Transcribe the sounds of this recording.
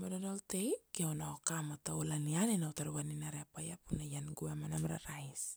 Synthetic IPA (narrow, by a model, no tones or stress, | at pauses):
modonolt̪eikiawnaokamat̪aulanianenaut̪aɾuwaninaɾeapajapunajanɡuamanamɾa̰ɾais